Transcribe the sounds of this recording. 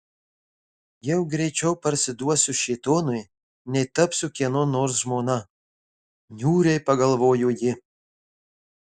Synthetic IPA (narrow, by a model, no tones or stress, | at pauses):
jɛʊɡɾʲɛɪt͡ʃʲɛʊpɐɾʲsʲɪd̪uɔsʲʊʃʲɛɪt̪oːnʊj | nʲɛɪt̪ɐpsʲʊkʲiɛnʊnoːɾsʒmoːnɐ | nʲuːɾʲɛɪpɐɡɐlˠʋoːjʊjɪ